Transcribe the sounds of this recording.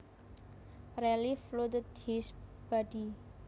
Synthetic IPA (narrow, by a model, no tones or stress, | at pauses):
reliflut̪ət̪̚hisb̥aɖi